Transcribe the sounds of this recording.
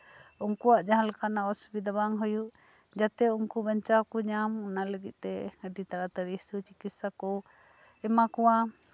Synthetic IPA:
ɔŋkuwaʔd͡ʒaɦalkanaɔsbid̪abaŋɦɔjuʔ | d͡ʒat̪ɛuŋkubaɲt͡ʃawkɔɲamɔnaləɡit̪̚ˀt̪ɛəɖit̪aɾat̪əɾisut͡ʃikit̪sakɔ | ɛmakɔwa

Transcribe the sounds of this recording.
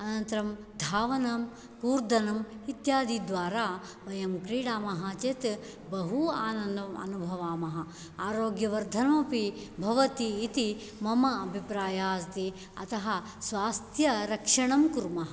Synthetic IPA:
ɐnɐnt̪ɾɐm | d̪ʱaːʋɐnɐm | kuːɾd̪ɐnɐmit̪jaːd̪id̪ʋaːɾaː | ʋɐjɐmkɾiːɽaːmɐɦaːt͡ʃet̪ | bɐɦuaːnɐnd̪ɐmɐ̰nubʱɐʋaːmɐɦɐ | aːɾoːɡjɐʋɐɾd̪ʱɐnmɐpibʱɐʋɐt̪iːt̪i | mɐmɐːbʱipɾaːjaːst̪i | ɐ̰t̪ɐɦɐ̆ | sʋaːst̪ʰjɐɾɐkʂɐɳɐmkuɾmɐɦɐ

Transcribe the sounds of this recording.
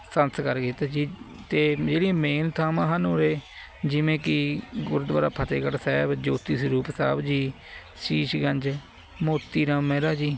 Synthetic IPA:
sənskəɾɡiːt̪ad͡ʒiː | t̪eːd͡ʒeːɽimeːnt̪ʰaːmãːɦənoːɾeː | d͡ʒɪʋẽːkɪɡʊɾd̪ʋa̰ːɾa̰ːpʰət̪ḛːkəɽsɛːbd͡ʒoːt̪iːsɾuːpsa̰ːbd͡ʒiː | siːʃɡəɲd͡ʒ | moːt̪ːiːɾãːmːɛ̃ːɾaːd͡ʒiː

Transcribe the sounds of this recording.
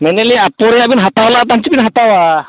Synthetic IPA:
mɛnɛliapɔɾɛjabinɦat̪awlat̪̬ant͡ʃibinɦat̪awa

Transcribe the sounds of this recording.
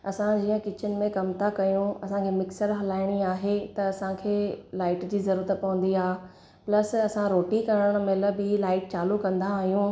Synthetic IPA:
ɐsãd͡ʑiːə̃kɪt͡ɕɪnɪ̆mẽkɐmt̪ʰakɐjũɐsãkʰeːmɪksəɾɦɐlaːɪɽ̃iaːɦet̪ɐɐsãkʰeːlaːɪʈd͡ʑiːzɐɾuːɾət̪pɐʋə̃nd̪iaː | plɐsɐsãɾoːʈikɐɾəɽ̃̆mɪlə̆bɪlaːɪʈt͡ɕaːlukɐ̃nd̪aːɦijũ

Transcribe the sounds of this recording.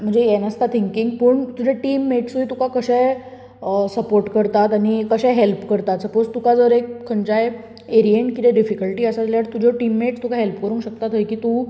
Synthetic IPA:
m̤əɳd͡zejenəst̪at̪ʰiŋkiŋɡpəːɳt̪ud͡ʑʱeʈiːmːeʈsuit̪ukakəɕɛj | səpoɾʈkəɾt̪at̪añikəɕãɦelpkəɾt̪at̪səpod͡zt̪ukad͡zəɾek̚kʰːəɳt͡ɕaj | eɾieɳʈkit̪ẽɖifikəlʈiːəsat̪ljaɾt̪ud͡ʑʱɔʈimːeʈst̪ukãɦelpkəɾũːŋkɕək̚t̪at̪ɦəjkiːt̪u

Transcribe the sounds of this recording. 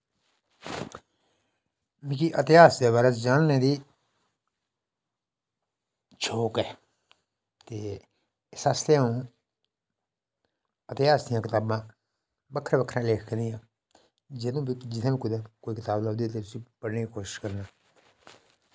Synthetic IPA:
mɪ̃ːkiːʔət̪ɪjaːsd̪eːβaːɾeːd͡ʒaːnnẽːd̪iː | t͡ʃʰoːkɛː | t̪eː | ɪsaːst̪ẽũː | ət̪ɪjaːsd̪ɪjãːkɪt̪aːbãː | bəkʰːəɾbəkʰɾãːleːkʰknjãː | d͡ʒed̪õːbid͡ʒɪd̪ẽːbiːkʊd̪ãːkoːiːkɪt̪aːblaːd̪iːt̪eːt̪ʊsiːpəɽneːkiːkoːʃɪ̥ʃkəɾnaː

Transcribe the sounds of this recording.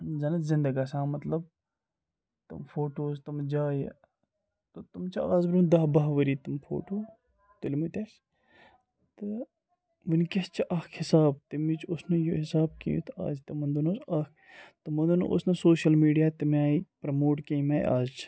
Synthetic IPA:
zɐnɐzɪnd̪ɐɡasãːmɐt̪lɐb | t̪ɐ̰mfʰoːʈoːzt̪ɐmd͡ʒaːj | t̪ot̪umt͡ʃʰɐaːzbɾumd̪ɐːbɐɦʋɐɾiːt̪umfʰo̰ːʈoː | t̪ulmit̪ʲɐs | t̪ɐ | ʋɐnkʲɐst͡ʃʰiʔɐːkʰhɪsaːbt̪imit͡ʃʰʊsnɐjoɦɪsaːb̚kḭjṵ̃t̪a̰ːzt̪ɐmɐnd̪unosɐkʰ | t̪ɐmɐnd̪un̰ʔo̰snɐsoːʃɐlmiːɖijaːt̪imaːipɾɐmoːʈkeimɐːj̰a̰ːzt͡ʃʰ

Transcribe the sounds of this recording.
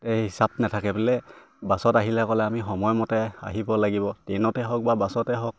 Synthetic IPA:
tɛɦisab̚natʰakɛbɛlɛ | basɔtaɦilɛkɔlɛamixɔmɔjmɔtɛa̰ɦibɔlaɡibɔtɛnɔtɛɦɔk̚babasɔtɛɦɔk̚

